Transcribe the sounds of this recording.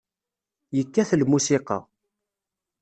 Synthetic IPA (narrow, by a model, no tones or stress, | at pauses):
jəkːæθlmusiqɑ̰